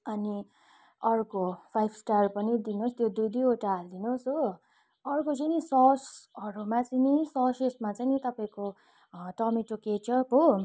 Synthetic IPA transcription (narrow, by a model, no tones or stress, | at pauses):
ʌni | ʌrkopʰajbʰsʈarpʌnid̪inost̪jod̪ujd̪ioʈaɦːld̪inosɦo | ʌrkot͡sajnisʌsʌɾumat͡sajnisʌsesmat͡sajnit̪ʌpaĩko | ʈʌmiʈoket͡ʃʌpo